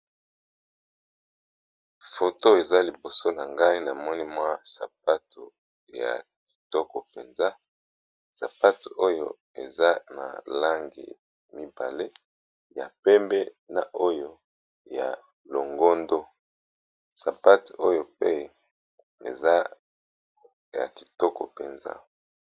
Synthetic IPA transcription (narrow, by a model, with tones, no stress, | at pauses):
fo˨to˦e˨za˦li˨bo˨so˦na˨ŋɡa˦i˦na˨mɔ˦ni˦mwa˦sa˨pa˦tu˨ | ja̰˨ki̥˨tɔ˦kɔ˨pe˨nza˦ | sa̰˨pa˦tu˨ʔo˦jo˦ | ḛ˨za˦na̰˨la˦ŋɡḭ˨ | mi˦ba˨le˦ | ja˨pɛ˦mbɛ˦ | na˨ʔo˦jo˦ | ja˨ | lo˨ŋɡo˦ndo˦ | sa˨pa˦tu̥˨o˦jo˦pe˦ | ḛ˨za˦ | ja̰˨ki̥˨tɔ˦kɔ̰˨pe˨nza̰˦